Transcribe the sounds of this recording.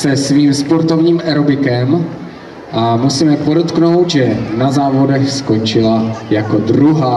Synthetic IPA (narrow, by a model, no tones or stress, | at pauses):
sɛsviːmspo̞ɾt̪o̞vɲiːmʔɛɾobɪkɛm | ʔamusiːmɛpo̞dot̪kno̞wt̪ʒɛnazaːvo̞dɛxsko̞t͡ʃɪlajako̞dɾuɦaː